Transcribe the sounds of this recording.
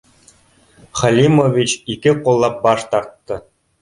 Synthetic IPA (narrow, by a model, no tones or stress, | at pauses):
χɑlʲimovʲit͡ɕikʲɘqŏlˠːɑp̚bɑʂt̪ɑrt̪ːɤ̆